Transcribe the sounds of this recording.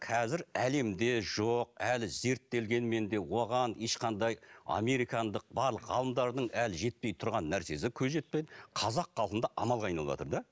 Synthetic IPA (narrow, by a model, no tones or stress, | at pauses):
qʰɑzɪɾæle̞md̪e̞ʒoq̚ælɪze̞ɾt̪ːe̞lɡʲe̞nme̞nd̪e̞wo̞ʁɑne̞ʃqɑnd̪ɑjɑ̰me̞ɾijkɑnd̪əq̚bɑɾlˠəqʁɑ̰lˠəmd̪ɑɾd̪əɴælɪʒe̞t̪̚pe̞jt̪ʰʊɾʁɑnːæɾse̞s̬ɪkʲʰɵzʒe̞t̪̚pe̞j̪ɪqʰɑzɑqːɑlˠqənd̪ɑʔɑmɑlˠʁɑjnɑlˠəβʒɑ̰t̪əɾd̪ɑ